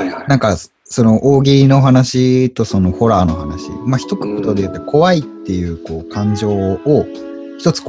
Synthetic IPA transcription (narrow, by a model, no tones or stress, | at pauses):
nãŋka | so̞no̞ʔoːɡʲino̞ɦanaɕit̪o̞so̞no̞ho̞ɾaːno̞ɦanaɕḭmaçʲi̥t̪o̞kɯ̟̥kot̪o̞d̪ejɯ̟t̪ːekʰo̞βait̪ːe̞jɯ̟ːko̞ːkʰãɲ̟d͡ʑo̞ːo | çi̥t̪o̞t͡sɨ̥k